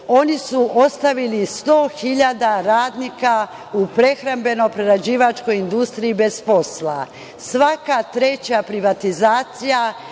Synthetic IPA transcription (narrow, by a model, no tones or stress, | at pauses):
o̞nisuʔo̞st̪aʋilist̪o̞ːxiʎad̪aɾaːd̪nika | upɾe̞xɾambe̞no̞jpɾe̞ɾad͡ʑiːʋat͡ʃko̞jind̪ust̪ɾiibe̞zpo̞sla̰ | sʋakat̪ɾe̞t͡ɕapɾiʋat̪izaːt̪sija